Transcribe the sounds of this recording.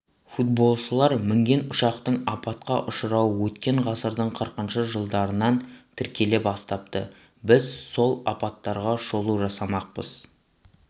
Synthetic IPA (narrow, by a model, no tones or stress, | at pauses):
fut̪̚bo̞lˠʃəlˠɑɾmɪŋɡʲe̞nʊʃɑqt̪əɴɑpɑt̪qɑʔʊʃəɾɑwəwɵt̪kʲe̞ɴʁɑsəɾd̪əɴqʰəɾqənʃəʒəlˠd̪ɑɾənɑnt̪ʰɪɾkʲʰe̞le̞pɑst̪ɑp̚t̪ə̰ | bɪzso̞lˠɑpɑt̪ːɑɾʁɑʃo̞lˠuʒɑsɑmɑq̚pə̰z̥